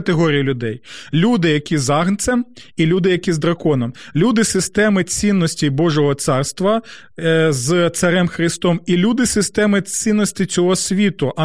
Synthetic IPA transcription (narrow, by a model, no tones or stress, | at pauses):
ɐt̪eɦɔɾʲijɐlʲʊd̪ɛjlʲud̪ɪjɐkʲizɑɦnt̪sɛmilʲud̪ɪjɐkʲizd̪ɾɐkɔnɔmlʲud̪ɪsɪst̪ɛmɪt͡sʲinːɔsʲtʲibɔʒɔɦɔt̪sɑrst̪ʋɐ | zt̪sɐɾɛmxɾɪst̪ɔmilʲud̪ɪsɪst̪ɛmɪt͡sʲinːɔsʲtʲit͡sʲɔɦɔsʲʋʲit̪ʊʔɐ